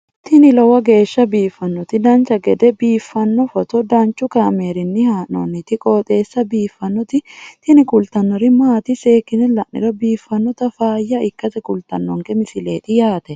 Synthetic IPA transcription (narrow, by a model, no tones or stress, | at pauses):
t̪ɪnɪlɔwɐɡe̞ːʃːɐbiːfːɐnːɔt̪ɪd̪ɐnt͡ʃɐɡɛd̪ɛbiːfːɐnːɔfɔt̪ɔd̪ɐnt͡ʃːʊkaːmeːɾɪnːɪhaːnɔ̰nːɪt̪ɪkʼoːt̪ʼeːsːɐbiːfːɐnːɔt̪ɪt̪ɪnɪkʊlt̪ɐnːɔɾɪmaːt̪ɪseːkːɪnɪlɐʔnɪ̰ɾɔbiːfːɐnːɔt̪ɐfaːjːɐɪkːɐt̪ɛkʊlt̪ɐnːɔŋkɛmɪsɪleːt̪ʼɪjaːt̪ɛ